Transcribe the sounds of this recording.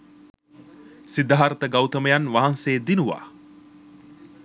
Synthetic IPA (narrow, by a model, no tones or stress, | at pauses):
sid̪aɦaɾət̪əɡawt̪əməjanʋaɦanseːd̪inuʋa̰ː